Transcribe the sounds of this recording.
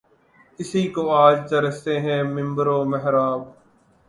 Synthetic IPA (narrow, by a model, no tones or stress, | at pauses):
ɪsiːkoːaːd͡ʒt̪əɾəst̪eːɦɛ̃ːmɪ̃mbəɾoːməɦɾaːb